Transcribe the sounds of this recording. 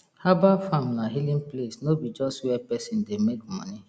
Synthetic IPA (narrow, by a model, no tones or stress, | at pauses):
habafamnaɦilĩnplesnobid͡ʒɔstwɛpɛsĩndemekmɔ̰ni